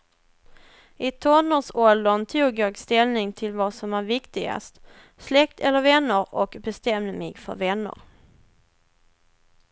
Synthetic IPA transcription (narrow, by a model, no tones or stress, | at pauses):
ɪt̪ʰɔnəsɔld̪ənt̪ʰuːɡjɑːɡst̪ɛlnɪŋt̪ʰɪlvɑsɔmæɾvɪkt̪ɪɡa̰st̪ | slɛk̚t̪ʰɛlːəɾvɛnːəɾɔkbɛst̪ɛmd̪mɪɡfœ̰ɾvɛnːə̰ɾ